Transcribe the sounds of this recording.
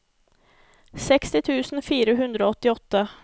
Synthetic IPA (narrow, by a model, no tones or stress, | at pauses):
sɛkst̪ɪt̪ʰʉ̟ːsənfiːɾaɦɵnd̪ɾaɔt̪ːɪɔt̪ːa